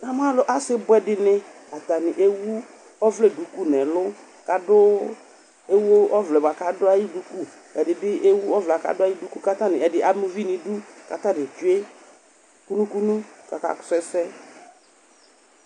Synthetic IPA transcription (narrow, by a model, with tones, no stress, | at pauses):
na˨m˦a˦lʊ˨ʔa˦sɪ˦bʊ˦ɛ˦dɪ˨nɪ˦ | a˨t̪a˨nɪ˨ʔe˦wu˦ | ɔ˦vlɛ˦˨du˨ku˦nɛ̃˨lʊ˦ | ka˨dʊ˦ | e˦wo˦ɔ˦vlɛ˨ba˨ka˨dʊ˦a˦ji˦du˨ku˦˨ | ɛ˨dɪ˨bɪ˦ʔe˦wu˦ɔ˦vlɛ˨a˨ka̰˨dʊ˦a˦ji˦du˦ku˦ka˦t̪a˦nɪ̃˨ɛ˨dɪ˨ʔa˨mʊ̃˦vi˦nɪ̃˨du˦ka̰˨t̪a˦dɪ˨t͡ʃʊ˦e˦ | ku˦nũ˦ku˦nũ˦t͡ʃa̰˨ka̰˨ksɛ˦sɛ˦